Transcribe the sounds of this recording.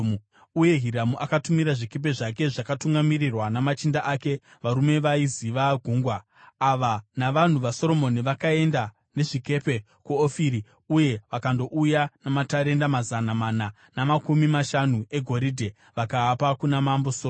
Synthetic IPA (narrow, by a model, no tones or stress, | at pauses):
uje̞ɦiɾamuʔakatumiɾaʐike̞p̬e̞ʐake̞ʐakatuŋɡamirirwanamat͡ʃindaʔake̞ | ʋaɾume̞ʋaiziʋaɡʱuːŋɡwaː | ʋanaʋan̤uʋaso̞ɾo̞mo̞niʋakae̞nda | ne̞ʐike̞pe̞ | kuofiɾi | uje̞ʋakando̞ʔujanamataɾe̞ndamazanamana | namakumimaʃanue̞ɡʱo̞ɾidʱe̞ | ʋakaːpakunamamboso